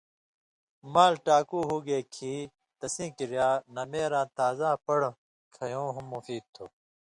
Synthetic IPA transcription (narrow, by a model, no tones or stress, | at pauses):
maːlʈaːkuːɦuːɡeːkʰiː | t̪ɐsĩːkiɾjaːnɐmeːɾãːt̪aːzãːpɐɽ | kʰɐjõːɦumːufiːd̪̚t̪ʰo̰ː